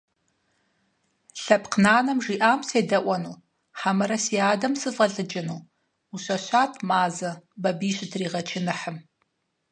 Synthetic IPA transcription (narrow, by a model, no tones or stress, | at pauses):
ɬɐpqnaːnɐmʐiːʔaːmseːdɐʔʷɐnuː | ħamɐɾɐsiaːdɐmsɨfʁɐɮɨd͡ʒɪnuː | uɕɐɕʷaːtʰmaːzɐbɐbiːɕɪtʰriːʁɐt͡ʃʰɪnɨħəm